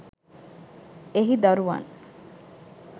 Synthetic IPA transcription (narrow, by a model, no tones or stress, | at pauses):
eɦid̪aɾuʋa̰n